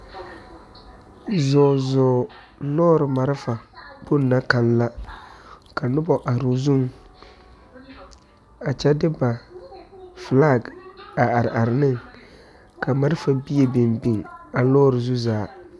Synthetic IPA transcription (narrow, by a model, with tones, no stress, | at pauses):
zɔː˨zɔː˨ | lɔː˦ɾɪ˨ma˨ɾɪ˦fa˨k͡po˦nːa˦ka˨nla˦ | ka˨nʊ˦bɔ˨ʔa˨ɾu˦zu˦ŋ | a˨t͡ʃɛ˦dɪ˦ba˨ | fla˦˨ɡa˨a˨ɾɪ˨ʔa˨ɾɪ˨nɨ˦˨ŋ | ka˨ma˨˦ɾɪ˦fa˨bi˦e˨be˨mbi˨ŋa˨lɔː˦ɾɪ˨zu˦zaː˨˦